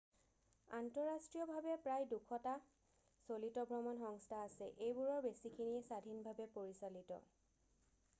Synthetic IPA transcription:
antɔɹastɹijɔbʱabɛpɹajdukʰɔta | solitɔbʱɹɔmɔnxɔŋstʰaːsɛʔejbuɹɔɹbesikʰiniɛsadʱinbʱabɛpoɹisalitɔ̰

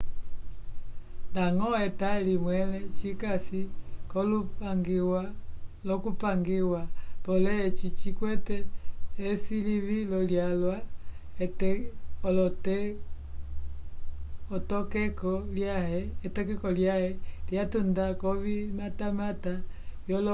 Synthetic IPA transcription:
laŋɔɛtalimwɛlɛt͡ʃikasikɔlupaŋɡiwalɔkupaŋɡiwapɔlɛɛt͡ʃit͡ʃikwɛtɛː | siliβilɔljalwaɛtɛɔlɔtɛ | ɔtɔkɛkɔljahɛːtɔkɛkɔljahɛljatundakɔβimatamatajɔlɔ

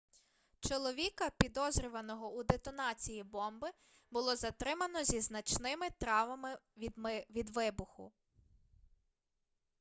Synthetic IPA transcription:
t͡ʃɔlˠɔʋʲikɐpʲid̪ɔzɾʲʊʋɐnɔɦɔud̪et̪ɔnɑt͡sʲijibɔmbɪ | bʊlˠɔzɐt̪ɾɪmɐnɔzʲiznɐt͡ʃnɪmɪt̪ɾɑʋɐmɪ | ʋʲid̪ʋɪbʊxʊ̰

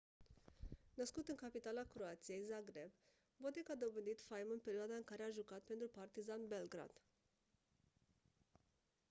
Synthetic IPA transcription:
nəskut̪ɨŋkapit̪alakɾoat̪sije̞jzaɡɾeb | bod̪ekad̪o̞bənd̪it̪fajmɨnpe̞ɾioad̪aɨŋkaɾe̞aʒukat̪̚pe̞nt̪ɾupart̪izanbe̞lɡɾa̰d̪̥

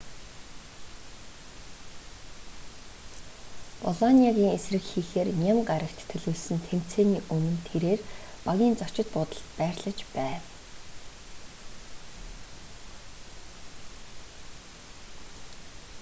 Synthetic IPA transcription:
pɔɮɔnʲiaɣʲiːŋesrɘ̆kxiːxeːrnʲamɢaɾə̆kt̪ʰːɵɮoːɮsɘ̆nt̪ʰem̥t͡seːniːʔɵnɘ̆nt̪ʰeɾeːrpaɣʲiːnt͡sɔ̥t͡ɕɪ̆t̪̚pʊːt̪ə̆ɬt̪pæːrɮə̆t͡ɕpæː

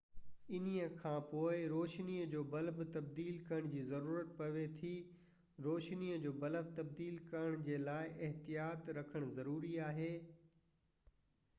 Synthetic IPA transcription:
ɪnijəkʰãːpoːɪɾoːʃniəd͡ʑoːbɐlbt̪ɐb̚d̪iːlkɐɾəɽ̃d͡ʑiːzɐɾuːɾət̪pɐʋet̪ʰi | ɾoːʃniəd͡ʑoːbɐləbt̪ɐb̚d̪iːlkɐɾəɽ̃d͡ʑeːlaːɪʔɪɦt̪ijaːt̪ɾɐkʰəɽ̃zɐɾuːɾiaːɦeː

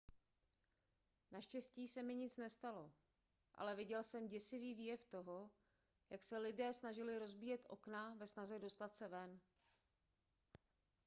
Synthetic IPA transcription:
naʃcɛsciːsɛmɪɲɪt͡snɛst̪alo̞ | ʔa̰lɛvɪɟɛlsɛmɟɛsɪviːviːjɛft̪o̞ɦo̞ | jaksɛlɪdɛːsnaʒɪlɪɾo̞zbiːjɛt̪ʔo̞̰knavɛsnazɛdo̞st̪at̪sɛvɛn

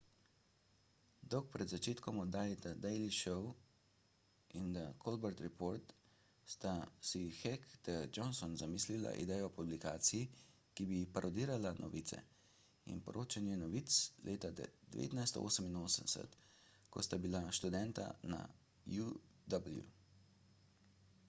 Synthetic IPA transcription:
d̪ɔwk̚pɾɛd̪zat͡ʃeːt̪kɔmɔd̪aːjd̪ad̪ɛjliʃɔw | ind̪akʰolbɛɾt̪ɾɛpoːɾt̪ | st̪asixɛkd̪əd͡ʒɔnsɔnzamiːslila̰ʔḭd̪ɛjɔpublikaːt̪siji | kibipaɾʔɔd̪iːɾalanʔɔ̰ʋit̪sɛ̰ | ḭnpɔ̰ɾʔoːt͡ʃɛnjɛnɔʋit̪slʔeːt̪ad̪ɛ̰ʋḛːt̪najst̪ɔ̰o̰ːsəminoːsənsə̰t̪ | kɔst̪abilaʃt̪ud̪ɛnt̪a̰na̰ | ju | d̪abəljṵ

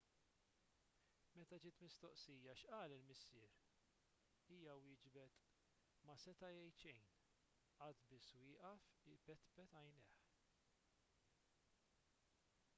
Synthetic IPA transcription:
mɛt̪ɐd͡ʒɪːt̪mɪst̪ɔʔsiːjɐʃʔɐːlɪlmɪsːɪːɾ | iːjɐwɪːd͡ʒbɛt̪ | mɐsɛt̪ɐjɛjt͡ʃɛjn | ʔɐt̪bɪswɪːʔɐfɪbɛt̪pɛt̪ɐjnɛħ

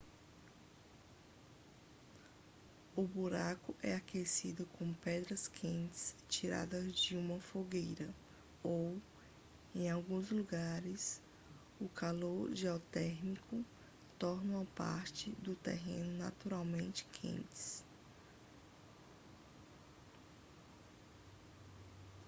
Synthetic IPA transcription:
ʊbuɾakʊʔɛ̰akesid̪ʊkõpɛd̪ɾɐskʰẽnt͡ʃɪ̥st͡ʃiɾa̰d̪ɐzd͡ʒɪũmɐfoɡejɾɐ | ow | ẽj̃awɡũzluɡaɾɪs | ʊkʰaloɾʒiawt̪ɛɾnikʊ | t̪ɔɾnʊɐpa̰ɾt͡ʃɪd̪ʊt̪ḛɦḛ̃nʊna̰t̪uɾawmẽnt͡ʃɪ̥kʰḛ̃nt͡ʃɪ̥s

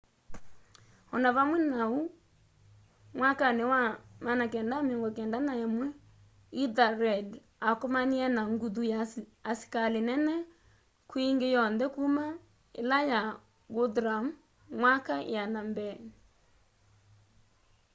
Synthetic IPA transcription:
ɔnaβamwɛnau | mwakanewamanakɛːndameŋɡɔkɛndanaemwɛ | iðaɾɛd | akomaniɛnaŋɡuðujaasi̥kalenɛnɛ | kwiŋɡejɔnðɛkuma | ḛlaja | ɡodɾam | mwakajanambɛni

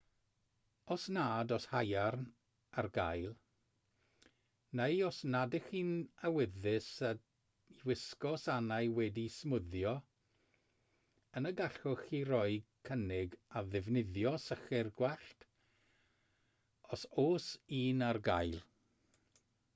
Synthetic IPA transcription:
ɔsnaːdɔshajarn | arɡajlˠ | nejɔsnadɪχiːnawɪðɪsə | iwɪskɔsanajwɛdismʊðjɔ | ənəɡaɬɔxiːɾɔɨkʰənɪɡaðɪvnɪðjɔsəχɪrɡwɛɬt | ɔsoːsiːnarɡajlˠ

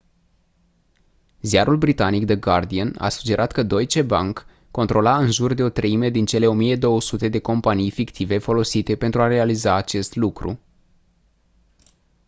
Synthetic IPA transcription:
ziaɾulbɾit̪anikd̪əɡard̪iəna̰su̥d͡ʒe̞ɾʔat̪kəd̪o̞jt͡ʃe̞ba̰ŋkː | o̞nt̪ɾo̞laɨnʒurd̪e̞o̞t̪ɾəime̞d̪int͡ʃe̞le̞o̞mije̞d̪o̞wəsut̪e̞d̪e̞ko̞mpanijfikt̪ʰive̞fo̞lo̞sit̪e̞pe̞nt̪ɾuaɾe̞alizaːt͡ʃe̞st̪lukɾṵ

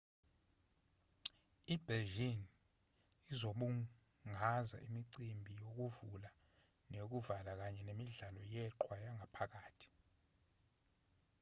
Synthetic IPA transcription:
ib̥ʱɛlʒin | izoɓu | ŋaza̰ʔimiǀimbʱijok̬uvula | nek̬uvalak̬aɲɛnemiɮalɔjɛǃwajaŋʱapʰak̬aːtʰi̥

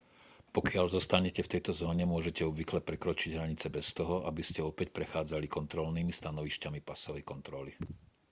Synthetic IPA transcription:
pɔkɪaʎzɔst̪aɲɛcɛft̪ɛjt̪ɔzɔːɲɛmʊɔʒɛcɛɔbʋiklɛpɾɛkɾɔt͡ʃiɟɦɾaɲit͡sɛbɛst̪ɔɦɔʔabiscɛɔpɛcpɾɛxaːd͡zalikɔnt̪ɾɔlniːmist̪anɔʋiʃcamipasɔʋɛjkɔnt̪ɾɔli

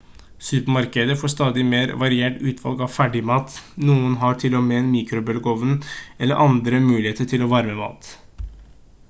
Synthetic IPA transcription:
sʉːpəmɑɾkəd̪əfoːʂt̪ɑːd̪ɪmeːɾʋɑɾɪeːʈʉːt̪ʰʋɑ̰lɡɑʋfæɖɪmɑːt̪nuːənɦɑʈʰɪlːɔmenmiːkɾʊbœlɡoːʋənʔɛlːə̰ʔɑnd̪ɾəmʉːlɪheːt̪əʈʰɪlɔʋɑɾəməmɑ̰ːt̪

